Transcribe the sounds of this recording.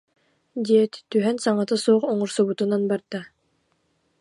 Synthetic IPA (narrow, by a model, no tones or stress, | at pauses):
d̪iɛt̪t̪yɦɛnsaŋat̪ɯsuɔχɔŋuɾsubut̪unanbaɾd̪a